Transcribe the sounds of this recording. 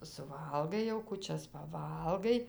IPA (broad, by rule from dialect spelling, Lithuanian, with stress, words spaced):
sʊˈʋɐlˠɡɐɪ jɛʊ kʊˈt͡ʃʲɛs pɐˈʋɐlˠɡɐɪ